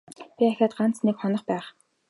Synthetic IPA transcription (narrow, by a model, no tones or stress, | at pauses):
pʲiæxʲaːt̪ɢan̥t͡snekχɔnɞ̆χpæːχ